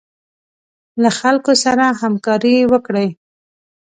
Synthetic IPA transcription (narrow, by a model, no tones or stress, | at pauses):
laxalkosaɾahamkɑɾiwəkɽəj